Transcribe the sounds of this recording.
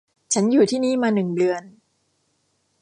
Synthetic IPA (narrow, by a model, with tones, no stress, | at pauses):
t͡ɕʰa˦˥njuː˨˩t̪ʰiː˥˩niː˦˥˩maː˧nɯ˨˩ŋbɯ˧ən